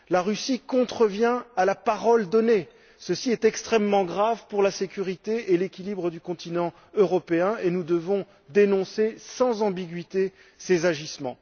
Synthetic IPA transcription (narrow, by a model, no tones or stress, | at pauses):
laʁysikɔ̃t̪χəvjɛ̃alapaʁɔld̪ɔne | səsiɛt̪ɛkst̪χɛmːɑ̃ɡʁavpuʁlasekʲyʁit̪eʔelekʲilibʁəd̪ykɔ̃t̪inɑ̃ | øʁɔpeɛ̃enud̪əvɔ̃ | d̪enɔ̃sesɑ̃zɑ̃biɡʲɥit̪e | sezaʒismɑ̰̃